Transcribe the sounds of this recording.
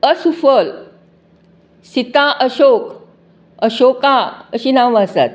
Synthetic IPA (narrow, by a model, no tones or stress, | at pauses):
əsufəl | sit̪ãʔəɕok | əɕokãəɕinaʋãsa̰t̪̚